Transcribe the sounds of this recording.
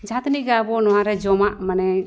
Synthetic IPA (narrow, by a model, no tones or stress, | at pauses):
d͡ʒat̪niɡabɔnɔwaɾɛd͡ʒɔmaʔmanɛ